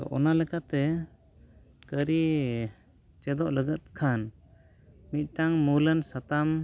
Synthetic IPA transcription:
ɔ̰ʔɔnalɛkat̪ɛ | kəɾi | t͡ʃɛd̪ɔʔləɡət̪̚kʰan | mit̪̚ˀʈaŋmulənsat̪am

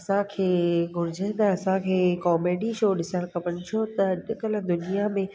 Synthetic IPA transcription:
ɐsãkʰeːɡʊɾɪd͡ʑʱə̃n̆d̪aɐsãkʰeːkɔːmeːɖiʃoːɗɪsəɽ̃kɐpəɽ̃ɪ̆t͡ɕʰot̪ɐɐd̪kɐld̪ʊnijamẽ

